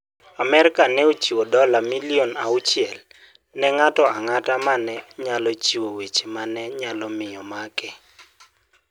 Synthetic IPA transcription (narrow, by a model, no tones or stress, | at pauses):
amɛɾɪkanɛot͡ʃiwodɔlamilionaʊt͡ʃɪɛl | nɛŋatɔaŋatamanɛɲalɔt͡ʃiwowet͡ʃemanɛɲalɔmɪjɔmakɛ